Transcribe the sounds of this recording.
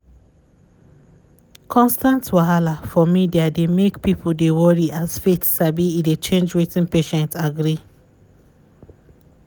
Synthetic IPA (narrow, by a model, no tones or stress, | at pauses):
kʰɔ̃nstãntwaɦalafɔmideademekpipʰoldewɔɹiʔazfetsabiːdet͡ʃẽnd͡ʒɹitĩnpeʃɛ̃ntaɡɹi